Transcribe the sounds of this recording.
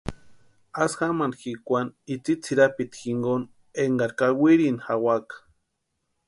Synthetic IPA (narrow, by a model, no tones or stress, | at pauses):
asxamanxikʷanit͡sit͡sʰiɾapit̪xiŋɡon | eŋɡaɾkawiɾinxawakḁ